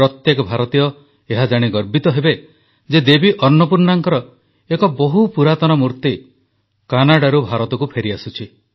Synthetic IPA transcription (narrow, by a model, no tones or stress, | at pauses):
ɾɔt̪jekɔbʱaɾɔt̪ijɔ | eɦad͡ʒaɽ̃iɡɔɾbit̪ɔɦebe | d͡ʒed̪ebiʔɔnːɔpuɾnaŋkɔɾɔ | ekɔbɔɦupuɾat̪ɔnɔmuɾt̪i | kanaɽaɾubʱaɾɔt̪ɔkupʰeɾiasut͡ʃʰi